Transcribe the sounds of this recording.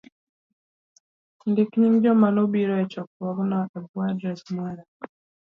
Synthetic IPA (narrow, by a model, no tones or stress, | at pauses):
n̩dɪkɲiŋd͡ʒɔmanobiɾɔɛt͡ʃɔk̚wɔknɔʔɛbwadɾɛsmwaɾa